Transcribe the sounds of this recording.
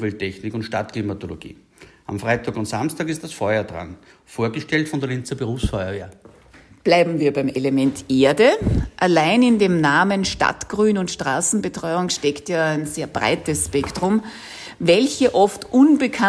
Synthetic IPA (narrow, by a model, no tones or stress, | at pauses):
vɛltʰːɛçnɪkʊntʃtatklimatoloɡ̥ḭː | amfʁaɪtʰaːkʊntz̥amstaːkɪst̚d̥asfɔʏɐd̥ʁa̰n | foːɐɡəʃtɛltfɔndeɐlɪnt͡səbəʁuːfsfɔʏɐveːɐ | b̥laɪbm̩viːɐbæɪmelemɛntʰʔeːɐdəʔalaɪnɪndeːmnaːmənʃta̰tɡ̥ʁyːnʊntʃtʁ̥aːsn̩bətʁ̥ɔʏʊŋʃtɛktjaːæɪnzeːɐbʁa̰ɪtəsʃpɛktʁ̥ʊm | vɛlçəʔɔftʔʊnbəkʰa